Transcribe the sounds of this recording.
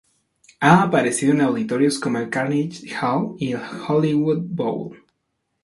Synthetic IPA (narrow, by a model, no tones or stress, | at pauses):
aːpaɾe̞siðoenawðit̪o̞ɾjo̞sko̞moelkaɾnit͡ʃxawielxoliwud̪̚bo̰wl